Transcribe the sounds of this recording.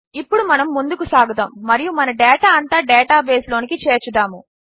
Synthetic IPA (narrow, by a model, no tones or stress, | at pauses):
ipːuɽumɐnɐmːund̪ukusaːɡɐt̪ɐmːɐɾijumɐnɐɖɛːʈaːɐnt̪aːɖɛːʈaːbe̞ːslo̞ːnikit͡ʃeːɾt͡ʃud̪aːmu